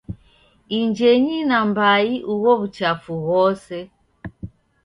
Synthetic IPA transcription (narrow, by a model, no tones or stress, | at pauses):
iɲd͡ʒeɲinambaiʔuɣɔβut͡ʃafuɣɔsɛ